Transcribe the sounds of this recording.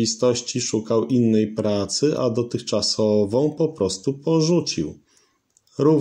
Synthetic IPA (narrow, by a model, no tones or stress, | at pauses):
ist̪ɔɕt͡ɕiʂukawʔinːɛjpɾat̪sɘʔa̰d̪ɔt̪ɘxt͡ʂasɔvɔ̃w̃pɔpɾɔst̪upɔʐut͡ɕḭw | ɾuv